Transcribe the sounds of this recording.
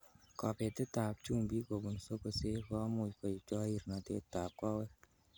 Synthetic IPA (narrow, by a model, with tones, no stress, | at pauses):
kɔ˨pe˨tɪ˦ta˨p̚t͡ʃu˦˨ŋbi˦ko˨bu˨n˨so˦ko˧se˦kɔ˦mu˨ko˨i˨t͡ʃɔ˦i˦˨ɾna˨tḛ˦ta˨p̚kɔ˦wɛ˦